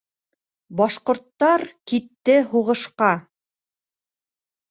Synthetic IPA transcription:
bɑʃqŏɾt̪ːɑɾkit̪ːɘɦuʁɤ̆ʃqɑ

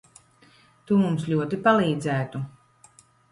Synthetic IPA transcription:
t̪umumslʲuɔt̪ipalˠiːd̪zæːt̪u

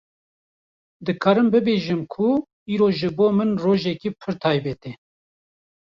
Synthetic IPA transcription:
d̪ɨkʰɑːɾɨmbɨbeːʒɨmkʰu | iːɾoːʒɨboːmɨnroːʒɛkiːpʰɨɾt̪ʰɑːjbɛt̪e

